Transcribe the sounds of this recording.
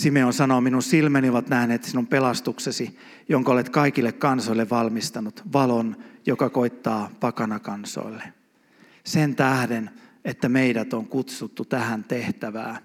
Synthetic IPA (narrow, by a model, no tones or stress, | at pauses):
simeonsɑnominunsilmænioʋɑt̪næhneːt̪sinumpelɑst̪uksesi | joŋkolet̪kɑikilːekkɑnsoilːeʋʋɑlmist̪ɑnut̪ʋɑlonjokɑkoit̪ːɑːpɑkɑnɑkɑnso̰ilːe | sent̪æhdenet̪ːæmeidæt̪oŋkut̪sut̪ːut̪æhænt̪eht̪æʋæ̰ː